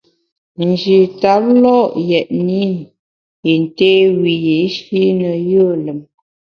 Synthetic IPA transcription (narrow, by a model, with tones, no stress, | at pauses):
n˨d͡ʒi˨ta˨˦p̚lɔ˦ʔjɛ˨ʔni˦ | i˨n˨te˦wi˨ji˨˦ʃi˦nə˨jə˦˨lə˨m